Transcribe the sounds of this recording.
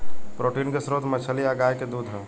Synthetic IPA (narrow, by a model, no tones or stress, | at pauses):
pɾoːʈiːnkesɾoːt̪mət͡ʃʰəliaɡaːjked̪ud̪ʱɦɛ